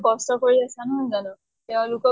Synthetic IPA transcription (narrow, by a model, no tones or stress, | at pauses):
bɔstɔkoɹiasanuzanɔ | tɛʊ̃lʊkɔ